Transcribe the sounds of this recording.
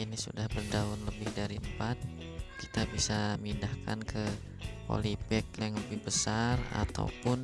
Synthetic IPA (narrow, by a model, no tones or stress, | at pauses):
inisṵdahbərdaʊnləbɪhdaɾiəmpat̪̚ | ki̥t̪abisamindahka̰nkə | po̰lipɛk̚lɛŋləbɪhbəsara̰t̪a̰wpʊn